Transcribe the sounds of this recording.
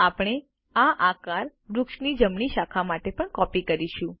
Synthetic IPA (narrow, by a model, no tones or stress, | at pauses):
apɽ̃e | aʔakaɾ | ɾʊkʃnid͡ʒəmɳiʃakʰamaʈepəɳkɔpikəɾiʃũ